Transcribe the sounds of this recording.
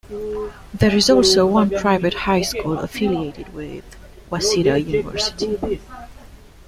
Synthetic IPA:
ðəɹɨzɔlˠsoʊwʌ̃npʰɹ̥aɪvɨthaɪskulˠə̰fɪlieɪɾɪd̚wɪð | wasiɾojunɪvɜ̰˞sɪ̥ti

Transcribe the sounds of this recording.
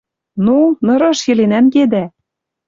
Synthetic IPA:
nunɤ̆ɾɤ̆ʃjĕlenæmked̪æ

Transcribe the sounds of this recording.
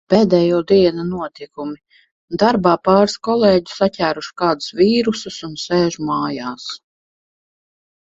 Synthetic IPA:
peːd̪ɛːjuːd̪iɛnunuɔt̪ikumi | d̪aɾbaːpɑːɾskɔlˠeːɟu̥satʲæːɾuʃkaːd̪u̥sviːɾususunseːʒumaːjaːs

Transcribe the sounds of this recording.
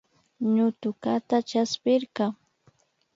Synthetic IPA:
ɲʊt̪ʊkat̪at͡ʃaspɪɾɢɑ

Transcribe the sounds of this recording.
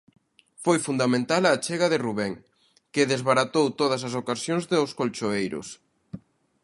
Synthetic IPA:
fojfund̪amẽnt̪alaːt͡ʃeɣɐðeruβɛŋ | kɪðezβaɾat̪owt̪oð̞ɐs̬ɐs̬okasjoŋzðoskolt͡ʃoejɾʊ̰s

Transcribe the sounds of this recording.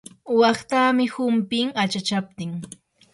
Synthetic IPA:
wɑχt̪amɪhʊmpɪŋat͡ʃat͡ʃap̚t̪ɪŋ

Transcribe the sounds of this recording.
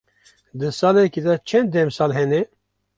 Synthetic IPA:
d̪ɨsɑːlɛkid̪ɛt͡ʃʰɛnd̪ːɛmsɑːlɦɛnɛ

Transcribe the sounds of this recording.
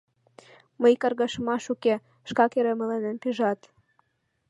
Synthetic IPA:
məjkɑrɣɑʃmɑʃuke | ʃkɑkeɾemə̆lenenpyʒɑt̪

